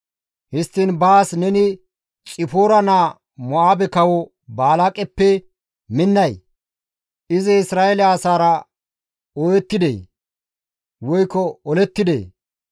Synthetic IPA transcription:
hɪst̪ːinbaːsnɛnɪ | t͡ʃʼɪfoːɾɐnaː | mɔaːbɛkɐwɔ | baːlakʼɛpːɛ | mɪnːɐj | ʔɪzɪɪsɾaːʔɛlɪaːsaːɾɐ | oːjɛt̪ːɪd̪ḛː | wɔjkːɔɔlɛt̪ːɪd̪ḛː

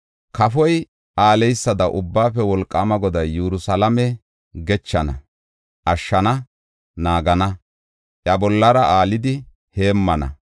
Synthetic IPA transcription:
kɐfɔj | ʔaːlɛjsːɐd̪ɐʔʊbːaːfɛwɔlkʼːɐmɐɡɔd̪ɐjjuɾʊsɐlɐmɛ | ɡɛt͡ʃːɐnɐ̰ | ʔɐʃːɐnɐ | naːɡɐnɐ | ʔjɐbɔlːɐɾɐaːlɪd̪ɪ | he̞ːmːɐnɐ̰

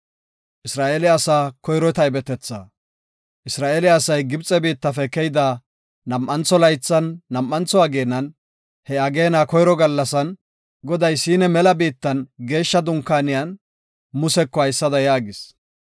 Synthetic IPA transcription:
ʔɪsɾaːʔelɪɐsaːkɔjɾɔt̪ɐɪbɛt̪ɛt͡sːa̰ | ʔɪsɾaːʔelɪɐsɐjɡɪbt͡sʼɛbiːt̪ːɐfɛkɛjd̪aː | nɐmʔːɐnt͡sːɔlɐjt͡sːɐnːɐmʔːɐnt͡sɔɐɡeːnːɐn | hɛɐɡe̞ːnaːkɔjɾɔɡɐlːɐsɐn | ɡɔd̪ɐjsiːnɛmɛlɐbiːt̪ːɐnɡe̞ːʃːɐd̪ʊŋkːaːnɪjɐn | mʊsɛkːɔɐjsːɐd̪ɐjaːɡɪs

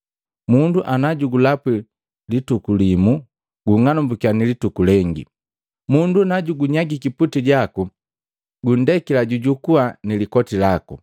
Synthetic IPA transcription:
munduʔanaɟuɡulapi | litukulimu | ɡuŋanumbukianilitukulɛŋɡḭ | mundunaɟuɡuɲaɡikiputiɟaku | ɡun̩dɛkilaɟuɟukuanilikɔtilakṵ

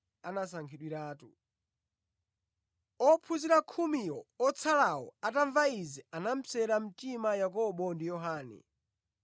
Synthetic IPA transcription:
anas̬aŋkʰiɗwiɾaːtu | ɔpʰuziɾakʰumijɔɔt͡sʰalawɔ̰ataɱvaizɛanam̩sɛɾam̩timajak̬ɔɓɔndijɔɦaːnɛ̰

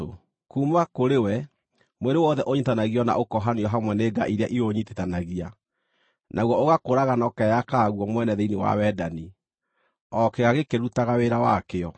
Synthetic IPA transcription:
o | kuːmakoɾewɛ | mweɾewɔðɛʔoɲitanaɣiɔna̰ʔokɔɦaneɔɦamwɛneːɡa̰ʔiɾeaʔioɲitetanaɣia | nʔaɣwɔoɣakoɾaɣanɔkɛjakaɣwɔmwɛnɛðeinewa̰wɛdani | ɔkeɣaɣekeɾutaɣaweɾawakeɔ

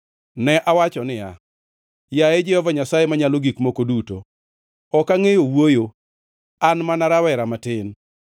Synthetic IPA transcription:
nɛʔawat͡ʃɔnɪja̰ | jaed͡ʒɛhɔvaɲasajemaɲaloɡikmokoduto | ɔkaŋejowojo | anmanaɾawɛɾamatɪn

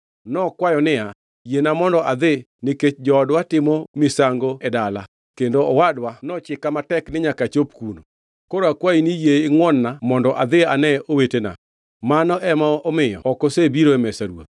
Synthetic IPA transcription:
nɔkwajɔnɪa | jenamɔndɔʔad̪ɪ | nɪket͡ʃd͡ʒɔɔdwatɪmɔmɪsaŋɡoɛdala | kendoɔwadwanɔt͡ʃɪkamatɛknɪɲakat͡ʃop̚kuno̰ | koɾoakwainijeɪŋwɔnːamɔndɔʔad̪ɪanɛowetena̰ | manɔʔɛmaɔmɪjɔ̰ɔkosebiɾoɛmɛsaɾwo̰t

